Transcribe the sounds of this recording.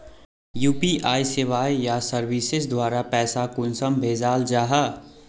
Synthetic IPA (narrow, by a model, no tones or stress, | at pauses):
juːpiʔaːisɪʋaːijasəɾwisɪsd̪waːɾapɛːsakʊnsəmbʱeːd͡ʒaːld͡ʒaːɦa